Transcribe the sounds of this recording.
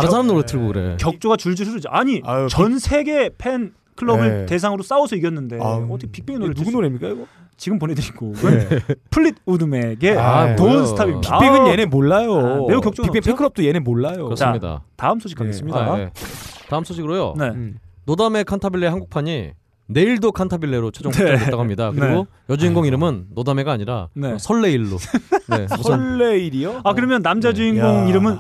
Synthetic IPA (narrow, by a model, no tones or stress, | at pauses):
ansʰaɾamnoɾɯtʰɯɭɡokɯɾḛkjʌk̚t͡ɕ͈oɡat͡ɕuɭd͡ʑiɾʰɯɾɯd͡ʑiʔaɲit͡ɕʌnsʰe̞ɡe̞pʰen | kʰɯɭʌbɯɭte̞s̬ʰaŋɯɾos͈aosʰʌiɡjʌnːɯndeʌtʰɯkʰepi̥k̚pʰeŋinoɾɯnuɡunoɾemɲik͈aiɡo | t͡ɕiɡɯmponedɯɾiɡoɯpʰɯɭːid̚udɯme̞ɡe̞aoɯnsʰɯtʰabimpiapʰeɡɯnjenemoɭːajoneukjʌk̚t͡ɕ͈opikpeipʰekʰɯɭʌp̚t͈ojenemoɭːajokɾʌst͡ɕaɯɲida̰taɯmsʰoɕikʰaɡess͈ɯmɲidaetaɯmsʰoɕʰikɡɯɾojo̰ne̞nodame̞kʰantʰabiɭːehanɡuk̚pʰaɲi | ne̞iɭdokʰantʰabiɭːe̞ɾot͡ɕʰed͡ʑoŋaeaɡoɦamɲidakɯiɡo | jʌd͡ʑuiŋɡoŋiɾɯmɯnːodame̞ɡaːɲiɾa̰nesʰʌɭːe̞iɭːone̞uːeiɾioakɯɾʌmjʌnːamd͡ʑad͡ʑuiŋɡoŋiɾɯmɯn